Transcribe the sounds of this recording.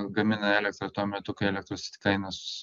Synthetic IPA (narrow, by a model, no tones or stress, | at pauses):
ɡɐmʲɪnɐɛːlʲɛk̚t̪ɾɐt̪uɔmʲɛt̪ʊkɐɪɛlʲɛkt̪ɾosʲt̪ʲkɐɪnɐsʊ̥